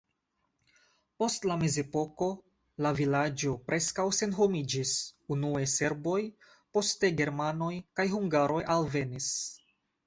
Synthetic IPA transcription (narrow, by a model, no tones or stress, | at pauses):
po̞stlame̞ze̞po̞ko̞ | lavilad͡ʒo̞pɾʔe̞skawse̞nɦo̞mid͡ʒisunuese̞ɾbo̞j | po̞ste̞ɡe̞ɾmano̞jkajɦuŋɡaɾo̞jʔalve̞nis